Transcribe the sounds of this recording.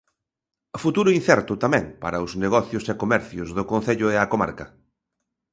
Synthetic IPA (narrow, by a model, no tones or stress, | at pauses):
fut̪uɾʊin̟θɛɾt̪ʊt̪amɛ̃ŋpaɾɐʊzneɣɔθjʊsekomɛɾθjʊzðʊkon̟θeʎʊɛɐkoma̰ɾkɐ